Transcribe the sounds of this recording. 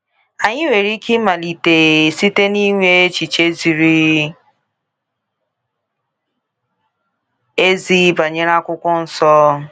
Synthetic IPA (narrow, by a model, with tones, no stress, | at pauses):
a˨ɲɪ˦we˨ɾi˦ki˦ma˨li˨te˨si˦te˦ni˦ŋʷe˦e˦t͡ʃi˨t͡ʃe˦zi˨ɾi˦ | e˦zi˦ba˨ɲe˦ɾa˦kʷʊ˦kʷʊ˦n̩˦sɔ˦